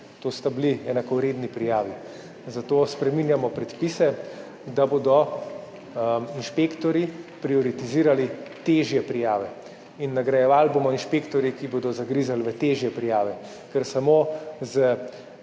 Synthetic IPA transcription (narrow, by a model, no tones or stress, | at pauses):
t̪oːst̪abliɛnakɔɾeːd̪nipɾijaːʋi | zat̪oːspɾɛminjamɔpɾɛt̪pisɛ | d̪aboːd̪ɔ | inʃpekt̪ɔɾjipɾiɔɾit̪iziːɾalit̪eʒjɛpɾijaːʋɛ | inːaɡɾajɛʋaːlbomɔinʃpeːkt̪ɔɾjikiboːd̪ɔzaɡɾiːzalʋət̪eːʒjɛpɾijaːʋɛ | kɛɾsamoːzə